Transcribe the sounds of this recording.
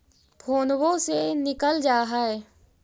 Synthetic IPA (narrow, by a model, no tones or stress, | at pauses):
pʰoːnwõsenɪkəld͡ʒaːɦaɛ